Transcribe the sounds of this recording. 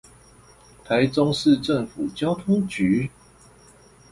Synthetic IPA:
t̪ʰa˨˦ɪt͡so˦ŋʂɹ̩˥˨ʈ͡ʂə˥˨ŋfu˨˩t͡ɕjɑ˥ʊt̪ʰu˥ŋt͡ɕy˨˦

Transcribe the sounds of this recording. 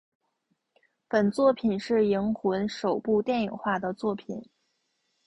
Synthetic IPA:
pə˨˩nt͡swɔ˥˩pʰi˨˩nʂɻ̩˥˩i˧˥ŋxu˧˥nʂo˨˩ʊpu˥˧t̪jɛ˥˩ni˨˩ŋxwa˥˩d̪ə˩t͡swɔ˥˩pʰi˨˩˦n

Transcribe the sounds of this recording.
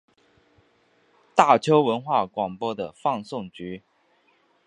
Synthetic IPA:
t̪a˥˩t͡ɕʰjo˥ʊwə˧˥nxwa˥˩kwɑ˨˩ŋpwɔ˥d̪ə˨fɑ˥˧ŋsʊ˥˩ŋt͡ɕy˧˥

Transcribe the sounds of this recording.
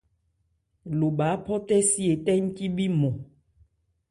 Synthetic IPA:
lo˨ba˨˦pɔ˦t̪ɛ˦si˦e˨t̪ɛ˦ŋ̩˦ti˦bi˦mɔ̃˨

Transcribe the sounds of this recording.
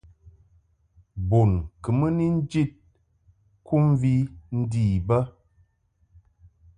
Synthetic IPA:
bo˨nkə˨mə˦ni˦n̩˦d͡ʒi˦˨t̚ | kʰu˦m˦vi˦n̩˦diː˨bə˦

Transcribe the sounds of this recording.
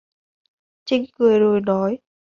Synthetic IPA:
t͡ɕï˧ŋkɨ˨˩əjzo˨˩jnɔ˨˦j

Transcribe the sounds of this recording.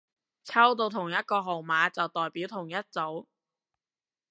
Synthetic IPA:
t͡sʰɐ˥wt̪̬o˧wt̪ʰʊ˨˩ŋjɐ˥t̚kɔː˧ɦo˨wmaː˨˥t͡sɐ˨wt̪ɔː˨˩jpiː˨˥wt̪ʰʊ˨˩ŋjɐ˥t̚t͡so˨˥w

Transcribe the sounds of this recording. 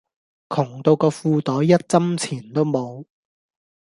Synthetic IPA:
kʰʊ˨˩ŋt̪o˧wkɔː˧fuː˧t̪ɔː˨˥jjɐ˥t̚t͡sɐ˥mt͡sʰiː˨˩nt̪o˥wmo˨˧w

